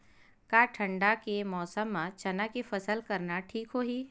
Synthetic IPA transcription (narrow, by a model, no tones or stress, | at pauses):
kaːʈʰɐ̃ɳɖakemɔːsəmːãt͡ʃɐnakefɐsəlkɐɾnaʈʰiːkɦoːɦiː